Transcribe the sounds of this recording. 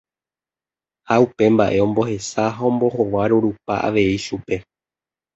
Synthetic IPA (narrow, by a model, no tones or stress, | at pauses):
haupe̞mbaʔe̞õ̞mbo̞he̞saɦaõ̞mbo̞ho̞ʋaɾuɾupaʔa̰ʋe̞iʃupe̞